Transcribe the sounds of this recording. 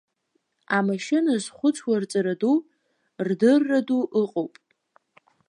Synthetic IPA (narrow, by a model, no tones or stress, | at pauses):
amaʃɪnazχʷʊt͡sʷʰwart͡sʼaɾadu | rdɨrːaduʔɨqʼowpʼ